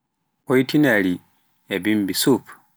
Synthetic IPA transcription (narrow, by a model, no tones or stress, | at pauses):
oitinali | ebimbisup